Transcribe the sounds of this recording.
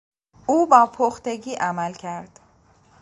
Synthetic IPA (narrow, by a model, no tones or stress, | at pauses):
uːbɒːpʰoxt̪e̞ɟiːʔæmælcʰæɾd̪̥